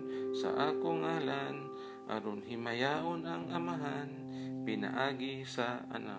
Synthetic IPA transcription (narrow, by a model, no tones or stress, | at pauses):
nsa̰ʔaːkʊŋaːlan | ʔa̰ɾonɦɪmajaʔonaŋamaɦan | pɪna̰ʔaːɡisaa̰na̰